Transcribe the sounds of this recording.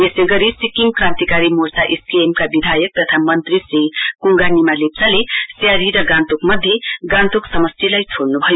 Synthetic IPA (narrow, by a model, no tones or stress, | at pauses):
eseɡʌɾisikiŋkrãnt̪ikaɾimorsaʔeskeemkabid̪ʱajʌk̚t̪ʌt̪ʰamʌnt̪risrikuŋɡanimalep̚salesjaɾiɾʌɡãnt̪ukmʌd̪ʱːjeɡãnt̪uksʌmʌst̪ʰilajt͡sʰoɽnubʱʌjo